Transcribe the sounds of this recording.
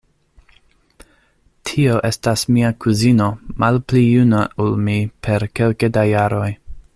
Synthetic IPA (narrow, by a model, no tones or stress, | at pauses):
tʰio̞ʔe̞stasmiakʰuzino̞mʔalplijunaulmipʰe̞ɾke̞lkedajaɾo̞j